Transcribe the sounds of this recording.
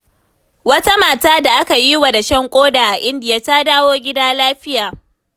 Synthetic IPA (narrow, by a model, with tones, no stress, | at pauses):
wɐ˦ta˦maː˨taː˦da˨ʔa˦ka˨ji˦wa˨da˨ʃɐ˦ŋkʷʼoː˦daː˨ʔa˨ʔɪ˦ndɪ˨ja˦ta˦daː˦woː˦ɡʲɪ˦daː˦laː˦ɸɪ˦jaː˨